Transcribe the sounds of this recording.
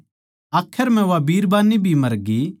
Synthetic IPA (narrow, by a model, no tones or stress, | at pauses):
aːkʰːəɾm̤ɛ̃ʋabiːɾbaːnːibʱimɐɾɡi